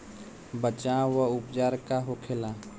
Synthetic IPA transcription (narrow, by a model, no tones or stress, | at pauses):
bət͡ʃawəʊpd͡ʒaːɾkaɦokʰelaː